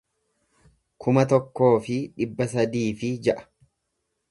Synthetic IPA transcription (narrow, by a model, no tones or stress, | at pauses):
kʰʊmɐt̪ɔkːo̞ːfɪᶑɪbːɐsɐd̪iːfɪd͡ʒɛʔɐ̥